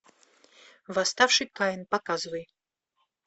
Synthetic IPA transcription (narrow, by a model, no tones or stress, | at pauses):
vast̪afʂɨkajɪnpakazɨvɐj